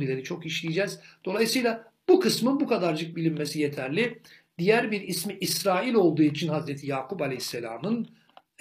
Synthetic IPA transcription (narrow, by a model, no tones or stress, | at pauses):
ilʲeɾit͡ʃʰo̞kiʃlʲijid͡ʒɛzd̪̥o̞lˠajɯsɯjlˠa | b̥ukʰɯsmɯnbukʰad̪aɾd͡ʒɯk̚bilʲimmesijet̪ʰæɾlʲi | d̪̥ijæɾbiɾismiʔisɾaːilʲo̞lˠd̪uːit͡ʃʰinhazɾet̪ʰijaːkʰupalʲɛhsːelʲa̰ːmɯn